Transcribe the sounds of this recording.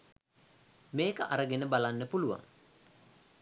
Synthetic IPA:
meːkəʔa̰ɾəɡenəbalanːəpuluʋa̰ŋ

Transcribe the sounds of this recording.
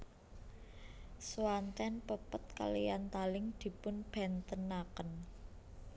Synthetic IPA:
swant̪ɛnpəpət̪̚ka̰lijant̪alɪŋd̪̥i̤pʊnb̥ɛ̤nt̪ənakən

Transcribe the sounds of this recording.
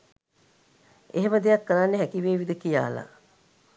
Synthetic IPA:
eɦeməd̪ejɐkːəɾanːeɦækiʋeːʋid̪əkija̰ːla̰

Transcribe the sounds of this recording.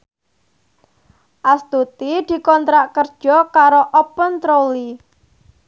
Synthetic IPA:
ʔast̪ut̪id̪̥i̤kɔnt̪ɾaʔkərd̥ʒ̥ɔkaɾoʔɔpənt̪ɾoli

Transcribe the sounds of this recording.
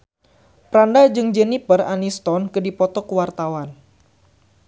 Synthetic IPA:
pɾandad͡ʒɨŋd͡ʒɛnipəranist̪ɔnkədipɔt̪ɔkəwart̪awan

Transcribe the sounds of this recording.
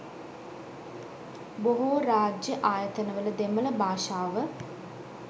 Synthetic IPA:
boɦoɾaːd͡ʒjəʔaːjət̪ənəʋələd̪emələbʱaːʃaːʋə

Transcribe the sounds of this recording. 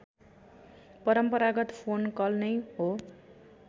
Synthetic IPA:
pʌɾʌmpʌɾaɡʌt̪pʰonkʌlnʌjɦo

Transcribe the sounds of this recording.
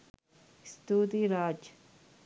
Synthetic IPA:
st̪uːt̪iɾaːd͡ʒ

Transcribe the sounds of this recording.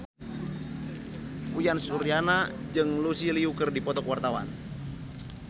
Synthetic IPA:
pujansuɾianad͡ʒɨŋlusiliukərdipɔt̪ɔkwart̪awa̰n

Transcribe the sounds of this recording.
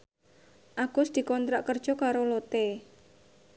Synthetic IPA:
ʔaɡ̥ʊsd̪̥i̤kɔnt̪ɾaʔkərd̥ʒ̥ɔ̤kaɾolot̪e

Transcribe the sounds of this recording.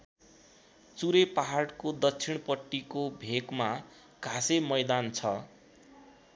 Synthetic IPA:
t͡suɾepaɦarɽkod̪ʌt͡sʰiɽ̃pʌʈːikobʱekma | ɡ̥ʱasemʌjd̪ant͡sʰʌ

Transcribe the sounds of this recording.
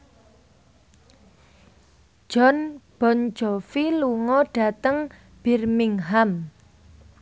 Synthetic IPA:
ʒ̥ɔnb̥ɔnd͡ʒɔfiluŋɔɖ̥a̤t̪əŋ | b̥i̤rmiŋɦam

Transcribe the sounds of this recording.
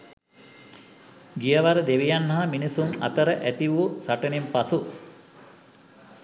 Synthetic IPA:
ɡijəʋaɾəd̪eʋijanːɐɦaminisuna̰t̪əɾəʔæt̪iʋusaʈənempasu

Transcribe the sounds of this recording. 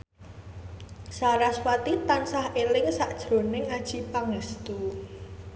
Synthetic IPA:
saɾaswat̪it̪ansahʔelɪŋsaʔd̥ʒ̥ɾo̤nɪŋad̥ʒ̥ipaŋəst̪u

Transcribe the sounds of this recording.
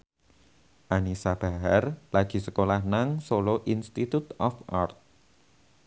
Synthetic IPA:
ʔanisab̥a̤ɦarlaɡ̥i̤səkolahnaŋsoloʔinst̪it̪ut̪ɔfʔart̪̚

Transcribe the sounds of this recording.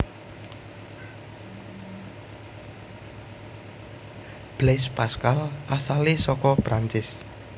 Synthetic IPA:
b̥lɛspaskalasalesɔkɔb̥ɾaɲt͡ʃɪs

